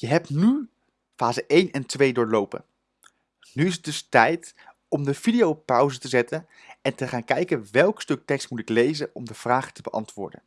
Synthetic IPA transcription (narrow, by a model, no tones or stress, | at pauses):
jəɦɛp̚ny | faːzəʔejnɛntʋejdʊːɹlowpə̰n | nyɪsət̚dɵstɛjt | ɔmdəvidijowpœwzətəzɛtən | ɛntəχaːnkɛjkənʋɛlˠkstɵk̚tɛkstmutɪklejzənɔmdəv̥raːχə̥təbəʔɑ̰ntʋʊ̰ːɹdə̰n